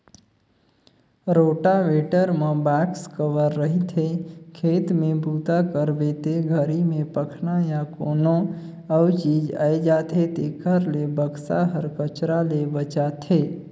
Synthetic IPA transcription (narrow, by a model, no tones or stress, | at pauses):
ɾoːʈaʋeːʈəɾmẽbɛːkskəʋəɾːəɦit̪ʰekʰeːt̪mẽbʱuːt̪akəɾbet̪eɡʱəɾimẽpəkʰnajakoːno | əwt͡ʃiːd͡ʒa̰ːjd͡ʒaːt̪ʰet̪eɡʰʱəɾlebəɡsaɦəɾkət͡ʃɾalebət͡ʃat̪ʰeː